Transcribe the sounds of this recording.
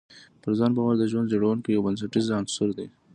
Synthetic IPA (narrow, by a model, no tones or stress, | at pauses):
pəɾzɑnbɑwaɾd̪əʒwand̪d͡ʒoɽawunkijawbəns̬aʈizansʊɾd̪e